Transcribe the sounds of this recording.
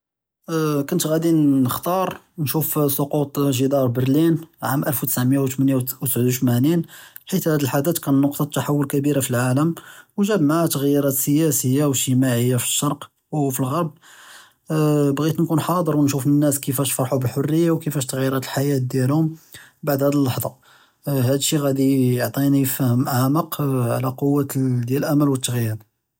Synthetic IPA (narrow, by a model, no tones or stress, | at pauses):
kʊnt̪ɣæd̪inːəxt̪ɑɾˤ | nʃufsˤoqut̪ˤʒəd̪ɑɾˤbəɾlinʕamʔælfwt̪ə̥sʕmjawt̪mənjawsbʕwt̪mæninħit̪hæd̪əlħad̪æt̪kænːʊqt̪ˤɑt̪ːaħawːʊlkæbiɾafilʕaləmwʒæbmaʕt̪əɣjiɾɑt̪səjæsəjːawəʃt̪əmaʕəjːafə̥ʃːɑɾˤq | wfilɣɑɾˤb̚ | bɣit̪nkunħɑd̪ˤəɾwənʃufnənːæskəfæʃfɑɾˤħubəlħorːəjːawkəfæʃt̪əɣjiɾˤɑt̪əlħajæt̪̚d̪jælhʊmbaʕd̪hæd̪əlːɑħd̪ˤɑ | hæd̪əʃːiɣæd̪ijoʕt̪ˤinijəfæhəmʔaməqʕlæqowːad̪jælʔæmælwət̪ːəɣjiɾ